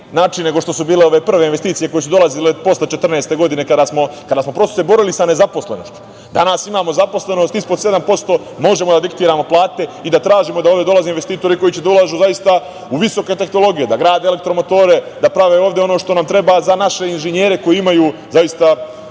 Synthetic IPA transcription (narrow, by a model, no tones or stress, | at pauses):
naːt͡ʃinne̞ɡo̞ʃt̪o̞subiːleo̞ʋe̞pr̩ʋe̞inʋest̪iːt̪sije̞ko̞jesud̪o̞lazilepo̞slet͡ʃet̪r̩neːst̪e̞ɡo̞d̪ine̞kad̪asmo̞kad̪aːsmo̞pɾo̞st̪osebo̞ɾilisane̞zapo̞sle̞no̞̰ʃt̪u̥ | d̪anasimaːmo̞zapo̞sle̞no̞st̪ispod̪se̞d̪ampo̞st̪o̞ː | mo̞ʒe̞mod̪ad̪ikt̪iːɾamo̞plˠaːt̪e̞id̪at̪ɾaːʒimo̞d̪aoʋdʲeo̞lazeinʋe̞st̪iːt̪o̞ɾiko̞jit͡ɕed̪aulaːʒuːzajist̪a | uʋiso̞ke̞t̪e̞xno̞lˠo̞ɡije̞d̪aɡɾaːd̪eelek̚t̪ɾo̞mo̞t̪o̞ːɾe̞d̪apɾaʋe̞o̞ːʋd̪jeo̞no̞ːʃt̪o̞namt̪ɾe̞bazanaʃe̞inʒeɲje̞ːɾe̞ko̞jiimajuːzajist̪a